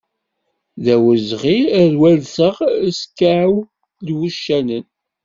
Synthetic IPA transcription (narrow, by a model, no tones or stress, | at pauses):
ðæwəzʁiɾwælθəʁskːaʕw | lwuʃːænən